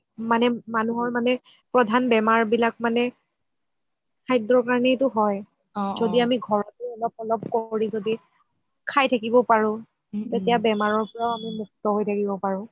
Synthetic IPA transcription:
manɛmanuɦɔɹmanɛ | pɹɔdʱanbɛmaɹbilak̚manɛ | kʰajdɹɔkaɹnɛtʊɦɔj | zodiamiɡʱɔɹɔtʊɔlɔp̚ɔlɔp̚koɹizodi | kʰajtʰakibɔpaɹʊ̃ | tetijabɛmaɹɔɹpɔɹaʊamimuk̚tɔɦojtʰakibɔpaɹʊ̃

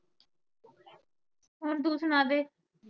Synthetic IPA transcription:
ɦond̪uːt̪ʰʊnaːd̪eː

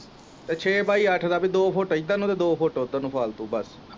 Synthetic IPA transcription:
t̪eːt͡ʃʰeːpaːiːəʈʰd̪aːpiːd̪oːpʰoːʈːid̪ãːnũːt̪eːd̪oːpʰoːʈoːt̪ːaːnũːpʰaːlt̪ũːbəs

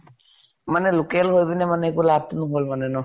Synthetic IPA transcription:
manɛlukɛlɦojbinɛmanɛekulab̚tunɔɦolmanɛnɔ

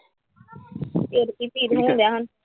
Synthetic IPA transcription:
eːɾkiːt̪iːɾɦõːd̪jaːɦən

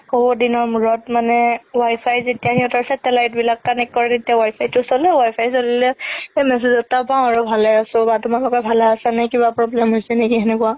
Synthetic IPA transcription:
hobodinɔɹmuɹɔtmanɛwajpʰajzetijaniɔtɔɹsɛtɛlajtbilak̚kanɛkkːɔɹɛnetijawajpʰajtʊsolɛwajpʰajsolilɛemɛs̬ezɔtapãʊ̃aɹobʱalɛasʊ̃batʊmalɔkɔbʱalɛasanakibapɹɔblɛmɦojsɛnekiɦɛnɛkua

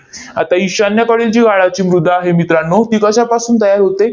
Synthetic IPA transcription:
a̰t̪aiɕanjakəɽilt͡ɕiːɡʱaɭat͡ɕiːmɾud̪ʱːaːɦemit̪ɾanːot̪iːkəɕjapasuːnt̪əjaɾɦot̪e

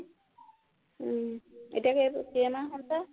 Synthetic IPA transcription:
ḛtijakesiɛmaɦɔnta

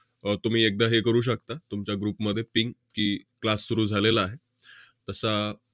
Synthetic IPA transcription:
t̪um̤iːek̚d̪aɦekəɾuːɕ̬əkt̪at̪umt͡ɕjaɡɾuːpməd̪ʱjepiŋɡkiːklasːuɾuːd͡zʱalelaːɦe | t̪əsa

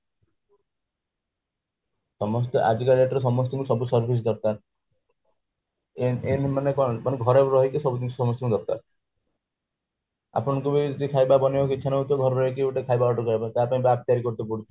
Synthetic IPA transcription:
sɔmɔs̬t̪ɔʔa̰d͡ʒiɡaleʈɔɾesɔmɔst̪ɔkusɔbusɔɾbʱis̬d̪ɔɾk̪aɾ | enmanekɔmaneɡʱɔɾeɾɔɦikisɔbud̪insʰsɔmɔst̪ɔkud̪ɔɾt̪a̰ɾ | a̰pɔɽ̃ɔ̃ŋkubid͡ʒɔd̪ikʰajbabɔnebɔk̬it͡ʃʰanɔut̪ɔɡʱɔɾɔɾɔɦik̬iuʈekʰajbaɡɔʈɔkɔjbãt̪aɾpaĩbap̚t̪iaɾikɔɾt̪epɔɽit͡ʃʰɔ

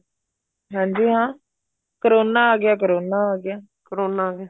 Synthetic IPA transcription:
ɦãːɲd͡ʒiːɦãː | kəɾoːnaːɡɪjaːk̬əɾoːnaːaːɡɪjaː | kəɾoːnaːɡɪjaː

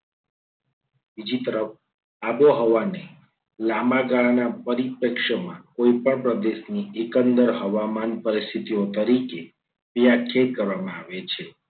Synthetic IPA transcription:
bid͡ʒit̪əɾəf | aboɦəʋane | lamaɡaɭanapəɾipəkʃəmã̰koipəɳpɾəd̪eʃniekənd̪əɾɦəʋamanpəɾist̪ʰit̪iot̪əɾike | pijakʰeɾkəɾʋamãaʋet͡ʃʰe

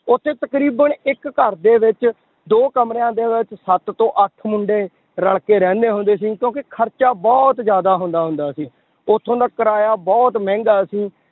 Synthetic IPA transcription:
ʊt̪ʰːeːt̪əkɾiːbənɪkːəɾd̪eːʋɪt͡ʃ | d̪oːkəmɾeãːd̪eːʋɪt͡ʃsət̪t̪õːʔəʈʰmʊɳɖeː | ɾəɽkeːɾɛ̃ːnd̪eːɦʊ̃nd̪eːs̬iːkjõːkɪkʰəɾt͡ʃaːbɔːt̪zjaːd̪aːɦʊ̃nd̪aːɦʊnd̪aːsĩː | ʊt̪ʰːõːd̪aːkəɾaːjaːbɔːt̪mɛ̃ːŋɡaːsĩː

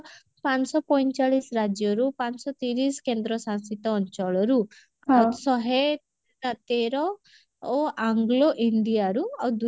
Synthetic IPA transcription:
pansɔpɔjnt͡ʃaɭisɾad͡ʒjɔɾupaɲsɔt̪iɾiskẽnd̪ɾɔsãnskit̪ɔːɲt͡ʃɔɭɔɾu | asɔɦe | nat̪eɾɔ | ɔʔaŋɡloʔiɳɖijaɾuad̪u

